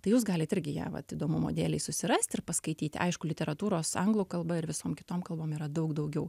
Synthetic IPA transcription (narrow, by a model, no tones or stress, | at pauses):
t̪ɐɪjuːs̬ɡɑːlʲɪt̪ɪɾʲɡʲɪjæ̰ːʋɐ̰t̪iːd̪oːmʊmo̰ːd̪ʲeːlʲɛɪsʊsʲɪɾɐsʲt̪ʲɪɾpɐskɐɪt̪ʲiːt̪ʲɐ̰ɪʃkʊlʲɪtʲɛɾɐt̪uːɾoːsɐŋɡlˠuːkɐlˠbɐɪɾʋʲɪsoːmkʲɪt̪oːmkɐlˠboːmiːɾɐd̪ɐʊkd̪ɐʊɡʲɛʊ